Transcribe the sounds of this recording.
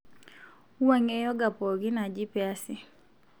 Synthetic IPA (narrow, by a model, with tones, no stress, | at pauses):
u˦a˦ŋe˦jɔ˦ɡa˨pɔ˨ɡɪ˦na˨d͡ʒɪ˦pɛ˦a˦sɪ˨